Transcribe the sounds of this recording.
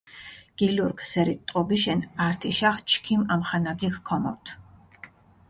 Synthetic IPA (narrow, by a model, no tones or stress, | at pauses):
ɡ̥iluɾkʰsɛɾit̪ʼɔbiʃɛnaɾt̪ʰiʃaχt͡ʃʰkʰimamχanaɡikʰkʰɔmɔ̰ɾt̪ʰ